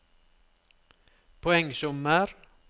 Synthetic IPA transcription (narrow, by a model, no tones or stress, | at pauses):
pʰɔɛŋːsɵmːəɾ